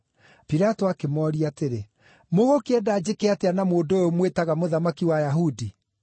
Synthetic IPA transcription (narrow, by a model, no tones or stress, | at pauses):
piɾatoakemɔɾiateɾe | moɣokeɛdad͡ʑekeateanamoːndojomwetaɣamoðamakiwajaɦudi